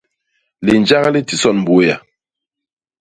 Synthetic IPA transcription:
li˨n˨d͡ʒa˦ɣa˦li˦ti˦sɔ˦˨nm˨bo˨˦ja˨

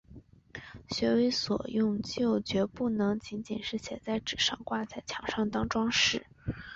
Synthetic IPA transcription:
ɕɥɛ˧˥we˧˥ɪswɔ̰˨˩jʊ˥˧ŋt͡ɕjo˥˩ʊt͡ɕɥɛ˧˥pu˥˩nɤ˧˥ŋt͡ɕi˧˥nt͡ɕḭ˨˩nʂɻ̩˥˩ɕjɛ̰˧˥nt͡sa˥˩ɪʈ͡ʂɻ̩˨˩ʂɑ˥˧ŋkwa˥˧t͡sa˥˩ɪt͡ɕʰjɑ˧˥ŋʂɑ˥˩ŋt̪ɑ˥ŋʈ͡ʂwɑ˥ŋʂɻ̩˥˩

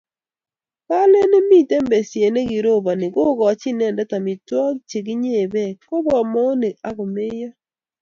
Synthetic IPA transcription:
pa˦le˦ne˦mi˦˨te˦mbe˨sje˨ne˦ɡi˨ɾo˦˨ba˨nɪ˨ɡo˦ɡɔ˨t͡ʃi˦nɛ˦˨ndɛ˦ta˨mɪ˨twɔ˦kt͡ʃe˨ɡi˦ɲe˦˨bɛ˦˨ko˦bɔ˨mɔ˦ne˨a˦ɡɔ˨me˦jɔ˦

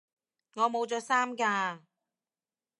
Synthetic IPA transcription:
ŋɔː˨˧mo˨˧wt͡sɔː˨˧saː˥mkaː˧

